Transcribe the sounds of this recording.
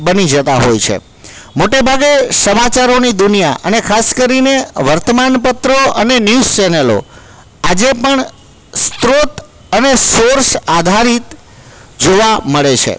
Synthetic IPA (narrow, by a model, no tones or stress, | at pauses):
bənid͡ʒət̪aɦojt͡ʃʰḛ | moʈebʱaɡesəmat͡ʃaɾonid̪ʊnijaʔə̰nekʰaskəɾineʋəɾt̪əmanpət̪ɾoənenjust͡ʃɛnelo̰ | ad͡ʒepəɳ | st̪ɾot̪ | ənesoɾsad̪ʱaɾit̪ | d͡ʒoʋaməɭet͡ʃʰḛ